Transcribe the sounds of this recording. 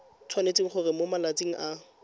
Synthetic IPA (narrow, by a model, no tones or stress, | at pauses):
t͡sʰwanet͡sʼiŋ̩χʊrɪmomalat͡sʼiŋ̩ʔa